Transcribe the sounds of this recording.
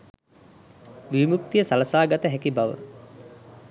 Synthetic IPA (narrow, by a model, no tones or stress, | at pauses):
ʋimuk̚t̪ijəsalɐsaːɡat̪əɦækibaʋə̰